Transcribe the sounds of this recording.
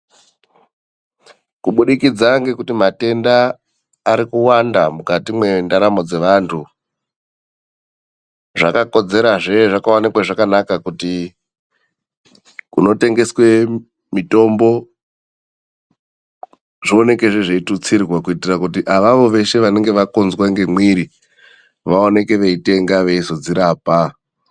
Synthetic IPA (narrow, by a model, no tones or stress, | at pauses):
kuɓuɗikid͡zaŋɡe̞kutimate̞ndaː | ɾikuwandamukatimwe̞ndaɾamo̞d͡ze̞ʋantʰu | ʐa̰kako̞d͡ze̞ɾaʐeʐakawanikwaʐakanakakuti | kuno̞te̞ŋɡe̞swe̞ | mito̞mbo̞ | ʐio̞ne̞ke̞ʐe̞ʐeitut͡sirrwakuitirakutiʔaʋaʋo̞ʋe̞ʃe̞ʋane̞ŋɡe̞ʋakonzwaŋɡe̞mwiɾi | ʋao̞ne̞ke̞ʋe̞ite̞ŋɡaʋe̞iso̞d͡ziɾaːpa